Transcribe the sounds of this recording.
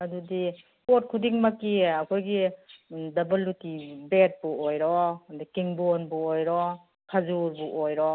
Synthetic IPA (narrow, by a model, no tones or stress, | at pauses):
ɐdudi | pot̚kʰudiŋmɐkːiɐkʰojɡi | dɐbɐlːutibet̚buojɾɔdikiŋbonbuojɾɔ | kʰazuɾbuʔojɾɔ